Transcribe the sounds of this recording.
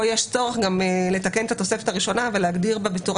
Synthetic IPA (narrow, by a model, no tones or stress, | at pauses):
jeʃt͡so̞ʁeχɡamle̞t̪akenet̪at̪o̞sefe̞t̪aʁiʃo̞naveleaɡdiʁbebetuʁ